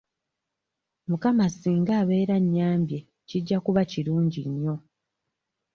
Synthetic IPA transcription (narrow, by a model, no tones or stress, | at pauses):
mukamasiːŋɡaːβe̞ːɾaɲːaːmbje | ciɟːakuβaciɾuːɲɟiɲːo̞